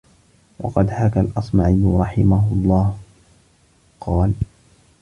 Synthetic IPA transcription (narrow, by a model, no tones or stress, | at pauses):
wɑ̰qɑd̪hakalʔɑsˤmaːʕɪjːɾˤɑħɪmahʊlˤːɑːh | qɑːl